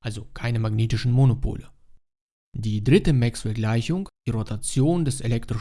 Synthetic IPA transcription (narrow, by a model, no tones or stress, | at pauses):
ʔalzokʰaɪnəmaɡneːtɪʃn̩monopʰo̰ːlə | d̥iːdʁɪtəmɛksfɛɐɡlaɪçʊŋiʁotat͡sjoːndɛselɛktʁ̥ɪʃ